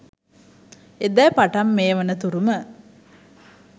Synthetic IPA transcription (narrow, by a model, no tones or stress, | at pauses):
ed̪ɛːpaʈɐmːeːʋɐnət̪uɾumə